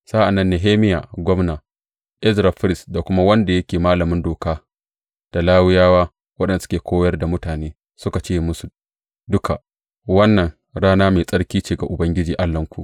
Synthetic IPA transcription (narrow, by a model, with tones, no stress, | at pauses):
sa˦ʔa˨nːɐ˦nːe˨ɦeː˦mɪ˦ja̰ː˨ɡʷɔ˦mnaː˨ | ʔɪ˦zɾa˨ɸɪ˦ɾɪ˦˨sda˨kʷʊ˦ma˦wɐ˦nda˨jɐ˦kʲeː˨maː˦lɐ˨mɪ˦ndoː˨kaː˦ | d̥a˨laː˦wɪ˦jaː˦waː˦ | wɐ˦ɗɛ˨n˨˦sʊ̥˦kʲeː˨kʷʰoː˦wjɐ˦rda˨mʊ˦taː˨neː˦ | sʊ˦ka˨t͡ʃeː˦˨mʊ˦su˨ | dʊ˦kʰa˨ʔ | wɐ˦nːɐ˨ŋ | ɽaː˦naː˦meː˨sʼɐ˦ɽkʲiː˦t͡ʃeː˨ɡa̰˨ʔʊ˨bɐ˦ŋɡʲɪ˦d͡ʒiː˨ʔa˦lːɐ˦ŋkʷṵ˨ʔ